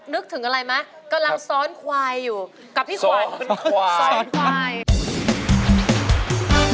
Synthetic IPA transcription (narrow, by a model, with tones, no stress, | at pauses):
nɯ˦˥k̚t̪ʰɯ˩˦ŋʔa˧ɾa˧jma˦˥ | ka˧mla˧ŋsɔː˦˥nkʰwaː˧jːuː˨˩ | ka˨˩p̪̚ʰiː˥˩a˦˧˦ | nkʰwa˧j